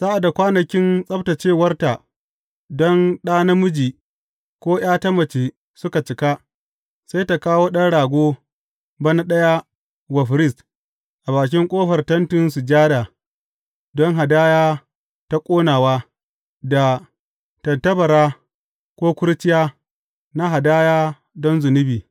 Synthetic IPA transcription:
sa˦ʔa˨da˨kʷaː˦nɐ˨kʲɪ˦nsʼɐ˦bta˨t͡ʃeː˦˨wɐ˦rta˨ | dɔ˦nɗaː˦nɐ˦mʊ˦d͡ʒiː˨ | kʷoː˦j̰aː˦ta˦mɐ˨t͡ʃe˨ | sʊ˦ka˨t͡ʃɪ˨ka˦ | sa˦jta˨kaː˦woː˦ɗɐ˦nɽaː˨ɡʷoː˦ | bɐ˦na˦ɗɐ˦ja˦ | wɐ˨ɸɾɪ˦˨st | ʔa˨baː˨k̬ʲɪ˦ŋkʷʼoː˦ɸɐ˨rtɐ˦ntʊ˨ns̬u˨d͡ʒaː˦da˨ | dɔ˦ŋɦa˨daː˦jaː˦ | ta˦kʷʼoː˦naː˨waː˦ | da˨ | tɐ˨ntɐ˦bɐ˨ɾaː˦ | kʷoː˦kʷʊ˦ɾtɪ˦jaː˦ | na˦ɦa˨daː˦jaː˦ | dɔ˦nzʊ˨nɪ˦biː˨

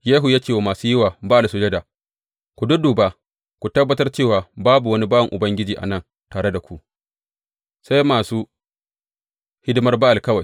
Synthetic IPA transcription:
jeː˦ɦu˨jaː˦kʲeː˨wo˨maː˨suː˦jɪ˦waː˨ba˦a˨lsʊ˦d͡ʒɐ˦daː˨ | kʷu˨dʊ˦duː˨baː˦ | kʷu˨tɐ˦bːɐ˦tɐ˦rt͡ʃeː˦˨waː˨baː˦bu˨wɐ˦ni˦baː˦ɐ˨ŋʔʊ˨bɐ˦ŋɡʲɪ˦d͡ʒiː˨ʔa̰˨nɐ˦˨n | taː˨ɽe˦da˨kʷu˨ | sa˦jmaː˨suː˦ | hɪ˦dɪ˦mɐ˦rba˦ʔa˨lkɐ˦wa˨j

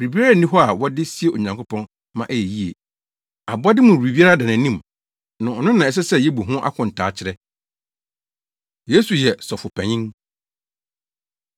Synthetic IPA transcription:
wɾi˨bi˦a˦ɾa˦˨nĩ˦ɦɔ˦a˨wɔ˦dɪ˦si˦e˦˨o˨ɲã˨ŋkʰʊ˦pʰɔ̃˦n | mã˦ʔɛ˦jɛ˨ji˦ḛ˨ | a˨bʊ˦a˦dɪ˦mʊ̃˨ɾi˨bi˦a˦ɾa˦da˨nã˨nĩ˦˨m | nʊ̃˨ɔ˨nʊ̃˦nã˨ɛ˨s̬ɛ˦sɛ˦˨jɛ˦bu˨ɦʊ̃˦ʔa̰˦kʰʷʊ̃˨n̩˨tʰaː˨˦t͡ɕʰɪ˨ɾɛ˦ | je˦su˨jɛ˨sɔ˨fʊ˨pʰɛ̃˨ɲɪ̃˦n

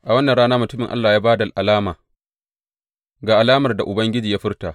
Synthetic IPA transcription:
ʔa˨wɐ˦nːɐ˨ɽaː˦naː˦mʊ˨tʊ˦mɪ˨ŋʔa̰˦lːaː˨jaː˦baː˦da˨lʔa˨laː˦maː˨ | ɡaː˨ʔa˨laː˦mɐ˨rda˨ʔʊ˨bɐ˦ŋɡʲɪ˦d͡ʒiː˨jaː˦ɸɪ˦rtaː˨ʔ

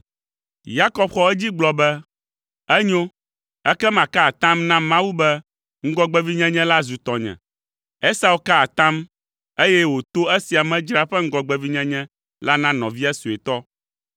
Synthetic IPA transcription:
ja˦kɔ˦bxɔ˦ɛ˦d͡ʑi˦ɡ͡blɔ˨bɛ˦ | ɛ˦ɲo˦ | ɛ˦kɛ˦mã˨ka˦a˨t̪ã˦mnã˦mã˦wu˦bɛ˦ | ŋ̩˦ɡɔ˦ɡ͡bɛ˦vi˦ɲɛ̃˦ɲɛ̃˦la˦zu˨t̪ɔ˨ɲɛ̰̃˨ | e˦sa˦wu˦ka˦a˨t̪ã˦m | e˦jɛ˦wo˨t̪o˦e˦si˨a˨mɛ̃˦d͡ʒɾa˦ɸɛ˦ŋ̩˦ɡɔ˨ɡ͡bɛ˨vi˦ɲɛ̃˦ɲɛ̃˦ | la˦nã˦nɔ̃˨vi˦a˦su˨e˨t̪ɔ˦

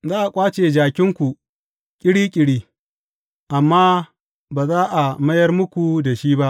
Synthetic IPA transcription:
zaː˦ʔa˨kʷʼaː˦t͡ʃeː˨d͡ʒaː˨kʲɪ˦ŋkʷu˨ | kʲʼɪ˦ɽiː˦kʲʼɪ˨ɽiː˦ | ʔa˨mːaː˦ | baː˨zaː˦ʔa˨mɐ˦jɐ˦rmʊ˦kʷu˨da˨ʃiː˦ba˦ʔ

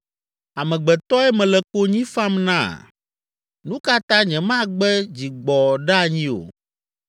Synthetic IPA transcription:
a˨mɛ̃˨ɡ͡bɛ˨t̪ɔ˦ɛ˦mɛ̃˨lɛ˨ko˦ɲĩ˦fa˦mnã̰˦˨ | nũ˦ka˦t̪ã˦ɲɛ̃˨mã˦ɡ͡bɛ˦d͡ʑi˨ɡ͡bɔ˨ɖa˦˨ɲĩ˦o̰˨

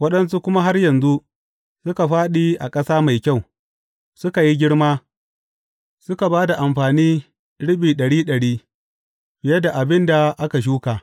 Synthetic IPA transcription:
wɐ˦ɗɐ˦ns̬u˦kʷʊ˦ma˦ɦa˦rjɐ˨nzu˦ʔ | sʊ˦ka˨ɸaː˦ɗiː˦ʔa̰˨kʼɐ˦saː˦ma˨jkʲa˦˨w | sʊ˦ka˨ji˦ɡʲɪ˦ɽmaː˦ | sʊ˦ka˨baː˦da˨ʔa˨mɸaː˨niː˦ | ɽɪ˦ɓiː˨ɗɐ˨ɽiː˦ɗɐ˨ɽiː˦ | b̥ɪ˨jɐ˦da˨ʔa˨bɪ˦nda˨ʔa˦ka˨ʃ̬uː˦kaː˨

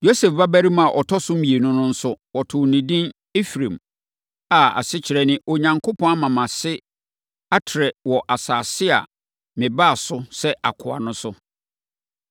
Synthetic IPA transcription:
jo˦sɛ˨fba˦bæ˦ɾi˦mã˨ʔɔ˨tʰɔ˦sʊ˦m̩˦mĩ˨e˨nʊ̃˦nʊ̃˦n̩˦sʊ˦wɔ˨tʰʊ˨nĩ˨dĩ˦n | e˦fɾẽ˨m | a˨a̰˨sɪ˦t͡ɕʰɪ˨ɾɛ˦nɪ̃˦ʔo˨ɲã˨ŋkʰo˦pʰɔ̃˦a˦mã˨mã˨sɪ˦ | a˦tʰɪ˨ɾɛ˨wɔ˨ʔa˨saː˨sɪ˦a̰˨ | mɪ̃˨ba˦˨sʊ˦sɛ˦a̰˨kʰʊ˨a̰˨nʊ̃˦sʊ˦

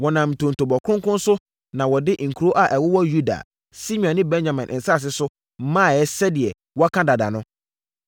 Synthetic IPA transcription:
wɔ˨nã˨m̩˨tʰõ˨n̩˨tʰo˨bɔ˨kʰʊ̃˦ŋkʊ̃˦n˦sʊ˦ | nã˨wɔ˨dɪ˦ŋ̩˨kʰu˨ɾo˦ʔa˨ʔɛ˨wʊ˦wɔ˦ju˦da̰˨ | si˦mĩ˨ã˨nɪ̃˦bɛ̃˦ɲd͡ʑã˨mɛ̃˨nʔɪ̰̃˨n̩˨sa˦˨s̬ɪ˦sʊ˦ | mãː˦˨ɛ˦sɛ˦dɪ˨ɛ˨ | wɔ˦a˦kʰã˦da˨da̰˨nʊ̃˦

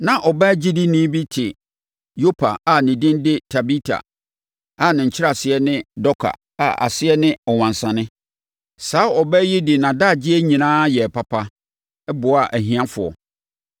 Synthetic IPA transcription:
nã˨ʔɔ˨bɛ˦d͡ʑi˦dɪ˦nĩ˦bi˦tʰɪ˨ | jo˦pʰa̰˨a˨nɪ̃˨dɪ̃˦ndɪ˦tʰa˨bi˦tʰa̰˨ | a˨nɪ̃˨ɲ̩˨t͡ɕʰɪ˦ɾa˨sɪ˨ɛ˦nɪ̃˦dɔ˦kʰa̰˨ | a̰˨ʔa̰˨sɪ˦ɛ˦nɪ̃˦ɔ˨wã˨n˨sã˨nɪ̃˦ | saː˨˦ɔ˨bɛ˦ji˦dɪ˨nã˨da˦˨d͡ʑɪ˦ɛ˦ɲĩ˨nãː˦jɛ˨pʰa˨pʰa˦ | ɛ˦bʊ˨˦a˨ʔæ˨ɦĩ˦ã˦fʊ˨ɔ̰˨

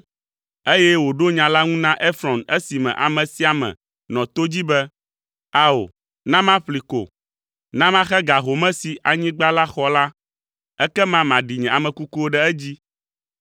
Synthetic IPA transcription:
e˦jɛ˦wo˨ɖo˦ɲã˨la˦ŋũ˦nã˦ʔe˦fɾɔ̃˨nɛ˦si˨mɛ̰̃˨ʔa̰˨mɛ̃˨si˨a˨mɛ̰̃˨ | nɔ̃˨t̪o˦d͡ʑi˦bɛ˦ | a˦o̰˨ | nã˦mã˦ɸli˨ko̰˨ | nã˦mã˦xɛ˦ɡa˨ɦo˨mɛ̃˦si˨ʔa˨ɲĩ˦ɡ͡ba˦la˦xɔ˦la˦ | ɛ˦kɛ˦mã˦mã˨ɖi˨ɲɛ̃˨a˨mɛ̃˨ku˦ku˦wo˦ɖɛ˦ɛ˦d͡ʑi˦

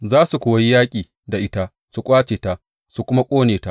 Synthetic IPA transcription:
zaː˦su˨kʷoː˨wa˦ji˦jaː˦kʲʼiː˨ | da˨ʔɪ˦ta˦ | su˨kʷʼaː˦t͡ʃeː˨ta˦ | su˨kʷʊ˦ma˦kʷʼoː˦neː˨ta˦ʔ

